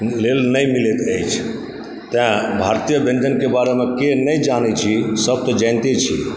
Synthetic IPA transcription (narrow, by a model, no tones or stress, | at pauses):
lelnəjmilet̪əjt͡ʃʰ | t̪ãbʱaɾt̪ijəbʱẽnd͡ʒənkebaɾemekenəjd͡ʒanɛt͡ʃʰisəb̚t̪ɔd͡ʒə̃ɪnt̪et͡ʃʰḭ